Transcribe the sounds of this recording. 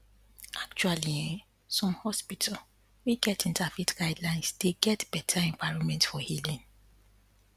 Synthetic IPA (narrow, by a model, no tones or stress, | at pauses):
ak̚t͡ʃualiɛ̃ | sɔ̃mhɔspitʰa | wiɡɛtĩntafitɡ̥aɪdlãɪ̃nsdeɡɛtb̥ɛtʰaɛ̃ɱvaɪɹɔ̃nmɛ̃ntfɔhilĩn